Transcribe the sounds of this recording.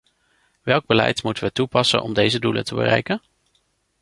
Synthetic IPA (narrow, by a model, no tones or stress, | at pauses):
ʋɛlˠɡ̚bəlɛjtmutəʋətupɑsə̰nʔɔmdejzədulə̰ntəbə̰rɛjkən